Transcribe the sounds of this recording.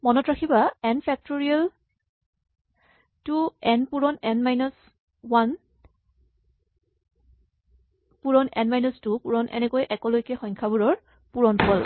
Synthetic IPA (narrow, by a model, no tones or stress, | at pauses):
mɔnɔtɹakʰibaɛnpʰɛk̚toɹial | tuɛnpuɹɔnɛnmajnɔs | wan | puɹɔnɛnmajnɔstupuɹɔnʔɛ̰nɛkojʔɛkɔlojkɛxɔjŋkʰabuɹɔɹ | puɹɔnkʰɔl